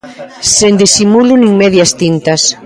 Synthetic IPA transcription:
send̪isimulʊnĩŋmɛðjast̪int̪ɐs

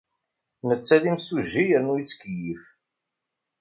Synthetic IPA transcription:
nət͡sːæðimsuʒːijəɾnujit͡sːkːjif

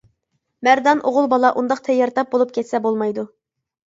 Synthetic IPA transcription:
mæɾd̪ɑnʔoʁʊlˠbɑlˠɑʔund̪ɑqt̪ʰɛjːɑɾt̪ʰɑp̚bolˠup̚kʲʰɛt̪sɛbolˠmɑjd̪u

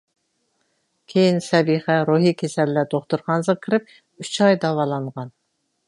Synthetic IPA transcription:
kʲʰejinsɛbiχɛɾuɦikʲʰesɛlːæt̪ʰoχt̪uɾχɑnzəʁkʰʲɪɾɪp̚ | yt͡ʃʰɑjd̪ɑwɑlˠɑɴʁɑn

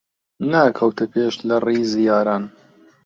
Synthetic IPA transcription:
naːkʰɐwt̪ʰɐpʰeːʃlɐriːzijaːɾaːn

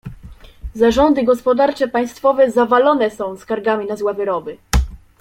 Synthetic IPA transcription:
zaʐɔnd̪ɘɡɔspɔd̪aɾt͡ʂɛpaj̃st̪fɔvɛzavalɔnɛsɔ̃w̃skaɾɡamʲinazwavɘɾɔbɘ

